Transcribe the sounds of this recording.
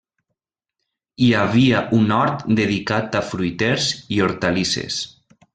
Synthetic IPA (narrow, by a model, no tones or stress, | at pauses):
iaβiaʔunɔɾt̪d̪eðikat̪afɾujt̪eɾzioɾt̪alisḛs